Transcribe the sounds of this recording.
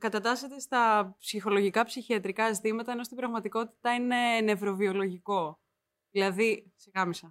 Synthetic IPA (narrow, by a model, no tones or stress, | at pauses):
kɐt̪ɐt̪ɐse̞t̪e̞st̪ɐpsixo̞lo̞ʝikɐpsiçiɐt̪ɾikɐzit̪imɐt̪ɐeno̞st̪ibɾɐɣmɐt̪iko̞t̪i̥t̪ɐine̞ne̞vɾo̞vio̞lo̞ʝiko̞ | ðilɐðisiɣɐmisɐ